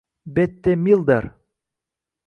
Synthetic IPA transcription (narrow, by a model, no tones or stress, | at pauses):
bet̪ːemilˠd̪aɾ